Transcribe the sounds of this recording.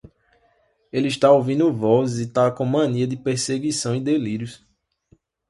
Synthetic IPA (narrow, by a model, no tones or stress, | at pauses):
eliʃt̪aovĩnd̪ʊvɔzit̪aɐkõmɐ̃niɐd̪ɪpeɾseɡisɐ̃w̃id̪eliɾjʊs